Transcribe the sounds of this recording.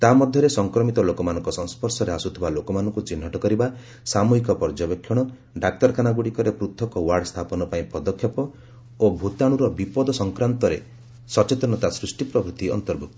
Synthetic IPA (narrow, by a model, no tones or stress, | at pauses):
t̪amɔd̪ʱjɔɾesɔŋkɾɔmit̪ɔlokɔmanɔ̃ŋkɔsɔŋ̃spʰɔɾsɔɾeasut̪ʰibalokɔmanɔŋkut͡ʃin̤ːɔʈɔkɔɾiba | samuikɔpɔɾd͡ʒɔbekʰːjɔɽ̃ɔ | ɖak̚ʈɔɾkʰanaɡuɽikɔɾepɾut̪ʰːɔkɔwaɾɖst̪ʰapɔnɔpaĩpɔd̪ɔkʰːjɔpɔ | obʱut̪aɽ̃uɾɔbipɔd̪ɔsɔŋkɾant̪ɔɾḛ | sɔt͡ʃet̪ɔnɔt̪asɾusʈipɾɔbʱɾut̪iɔ̰nt̪ɔɾbʱuk̚t̪ɔ̥